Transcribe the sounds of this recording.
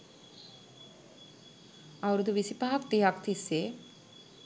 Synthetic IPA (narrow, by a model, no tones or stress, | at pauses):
awɾud̪uʋisipaɦakt̪eakt̪ʰise